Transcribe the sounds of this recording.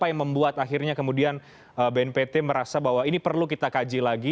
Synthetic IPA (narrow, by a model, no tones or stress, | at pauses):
pajaŋməmbuat̪axirɲakəmudian | əbeɛnpet̪ɛməɾasabaɦwainipərlukit̪akad͡ʒilaɡi